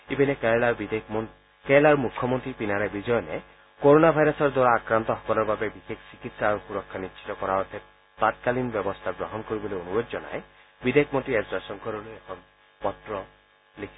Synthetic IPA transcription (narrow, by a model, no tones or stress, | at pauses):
ibineklaid̪ | kelaɾumukʰːɔmɔnt̪ɾipinaɾebid͡ʒɔjɔnḛ | koɾonabʱajɾɔsɔɾd̪waɾaːkɾant̪ɔɦɔ̥kɔlɔɾbabebixekʰsikit̪saːɾuxuɾɔkʰːanist͡ʃʰi̥t̪ɔkɔɾaɔt̪ʰet̚ | t̪at̪̚kalinbjɔbɔst̪ʰaɡɾɔɦɔnkoɾibɔloonubod͡ʒd͡ʒɔna̰jbid̪ekʰmɔnt̪ɾiesasɔŋkʰɔɾɔluekʰɔn | pɔt̪ɾɔ | likʰi̥